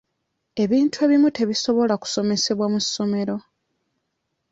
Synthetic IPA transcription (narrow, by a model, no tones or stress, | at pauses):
e̞βiːntue̞βimute̞βiso̞βo̞laku̥so̞me̞se̞βwamusːo̞me̞ɾo̞